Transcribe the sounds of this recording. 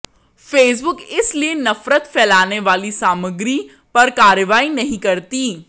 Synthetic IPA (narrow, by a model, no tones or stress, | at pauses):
feːs̬bʊkɪslienɐfɾət̪pɛːlaːneʋaːlisaːməɡɾi | pɐɾkaːɾjəʋaːinɐɦĩkɐɾt̪iː